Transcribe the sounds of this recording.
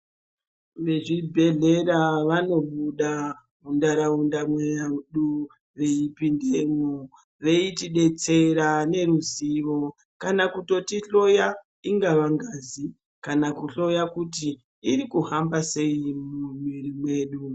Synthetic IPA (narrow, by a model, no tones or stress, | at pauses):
ʋe̞ʐibʱe̞ɮe̞ɾaʋano̞ɓuɗa | undaɾaundamweaɗu | ʋe̞ipindemu | ʋe̞itiɗe̞t͡se̞ɾane̞ɾuziʋo̞ | kanakuto̞tiɬo̞ja | iŋɡaʋaŋɡaːzi | kanakuɬo̞jakutiː | rikuɦambase̞imumirimwe̞ːɗu